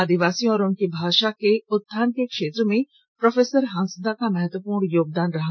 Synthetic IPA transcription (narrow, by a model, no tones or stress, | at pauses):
aːd̪iʋaːsijõɔːɾʊnkebʱaːʃakeʊt̪ʰːaːnkekʃeːt̪ɾəmẽ | pɾɔfʰeːsəɾɦãnsəd̪akamɛɦət̪wəpuːɾnjoːɡ̚d̪aːnɾɐɦ